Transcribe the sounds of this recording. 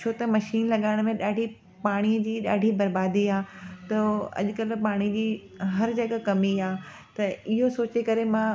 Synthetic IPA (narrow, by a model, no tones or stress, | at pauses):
ot̪ɐmɐʃiːnlɐɠaːɪɽ̃mẽɗaːɖʱi | paːɽ̃ijəd͡ʑiːɗa̰ːɖʱibɐɾbaːd̪iaːt̪ɐɐ̰ʄʊ̆kɐlpaːɽ̃id͡ʑiː | ɦɐɾd͡ʑɐɠakɐmiaː | t̪ɐɪɦosoːt͡ɕekɐɾemã